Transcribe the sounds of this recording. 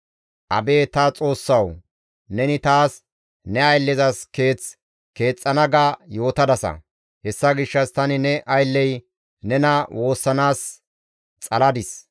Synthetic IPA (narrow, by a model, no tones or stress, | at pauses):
ʔɐ̰be̞ːt̪ɐt͡sʼo̞ːsːɐw | nɛnɪt̪aːs | nɛɐjlːɛzɐske̞ːt͡s | ke̞ːt͡sʼːɐnɐɡajo̞ːt̪ɐd̪ɐsɐ̰ | hɛsːɐɡɪʃːɐst̪ɐnɪnɛʔɐjlːɛj | nɛnɐwʔo̞ːsːɐnaːs | t͡sʼɐlɐd̪ɪs